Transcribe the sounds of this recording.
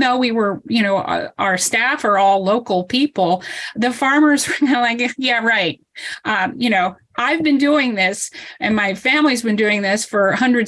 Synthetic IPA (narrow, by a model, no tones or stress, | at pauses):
noʊwiwə˞jɨñoʊʌ̰ʔə˞stæfə˞ɔlˠloʊkl̩ˠpʰipl̩ˠðɨfɑɹmə˞zwə˞ɡʌnəlaɪkjæɹaɪt̚ʌ̃jɨñoʊ | ʔaɪvbɨ̃nduɪ̃ŋðɪsɨ̃nmaɪfæ̃mlizbɨ̃ndʉɪ̃ŋðɪsfə˞hʌ̃ndɹɨd